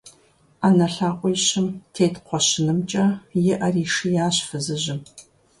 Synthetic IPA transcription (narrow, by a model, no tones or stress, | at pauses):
aːnɐɬaːqʷʼijɕɪmtʰeːtqʷɔɕɪnɨmt͡ʃʼɐjɪʔɐriːʂɨjaːɕfɨzɨʑɪm